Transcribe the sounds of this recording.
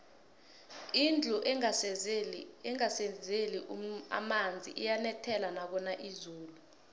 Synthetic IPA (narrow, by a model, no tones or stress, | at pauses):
ind͡ɮʱuʔ | ɛŋasezeliʔa̰mand͡zʱḭʔijanɛtʰɛlanak̬ɔnaʔizuːlu